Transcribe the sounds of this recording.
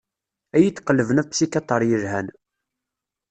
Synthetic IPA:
æjit̪ːqəlːəvənæsikɑt̪ˤɑɾˤjəɾhæn

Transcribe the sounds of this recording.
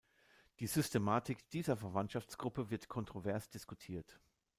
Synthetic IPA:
d̥iːzʏstʰemaːtɪkd̥iːzɐfɛɐvantʃaft͡sɡ̥ʁʊpəvɪɐtkʰɔntʁ̥ovɛɐsd̥ɪskutʰiːɐt

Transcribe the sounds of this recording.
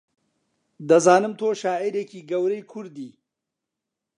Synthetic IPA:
d̪ɐzɑːnəmt̪ʰoːʃɑːiɾekiɡɐwɾəjkʰuɾd̪i

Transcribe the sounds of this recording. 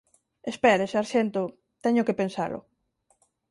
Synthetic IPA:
espɛɾesaɾʃent̪ʊ | t̪ɛɲʊkepensa̰lʔʊ̰

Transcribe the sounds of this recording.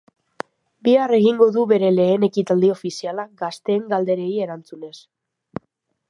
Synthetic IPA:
biare̞ɣiŋɡo̞ðuβe̞ɾe̞le̞ːne̞kit̪ald̪io̞fisialaɡast̪e̞ːŋɡald̪e̞ɾe̞ie̞ɾant͡sune̞s

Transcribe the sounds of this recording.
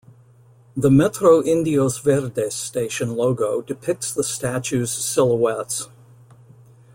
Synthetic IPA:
ðəmɛtʰɹoʊʔɪ̃ndioʊzvɛɾdesteɪʃɨ̃nloʊɡoʊdɨpʰɪk̚tsðəstæt͡ʃʉz̥sɪlˠəwɛts

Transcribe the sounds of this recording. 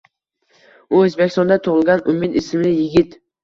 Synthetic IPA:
uɵzbekʲʰːɪst̪ɔnd̪at̪ʰʊʁɪlˠɡʲanʊmɪt̪ɪsɪmlɪjɪɡʲɪt̪

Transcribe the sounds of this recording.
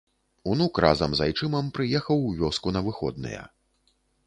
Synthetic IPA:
unukra̰zɐmzajt͡ʂɨmɐmpɾɨjɛxɐwvʲɔskunɐvɨxɔ̰d̪̚nɨ̰jɐ̰

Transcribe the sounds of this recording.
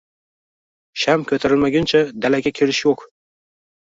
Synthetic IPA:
ʃamkʲʰɵt̪ʰaɾɪlmaɡʲant͡ʃʰad̪alaɡʲakʲʰe̞lɪʃjoq

